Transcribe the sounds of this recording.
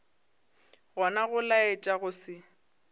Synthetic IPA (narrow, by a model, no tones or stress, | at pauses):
ɣɔnaɣʊlaet͡ʃʼaɣʊsɪ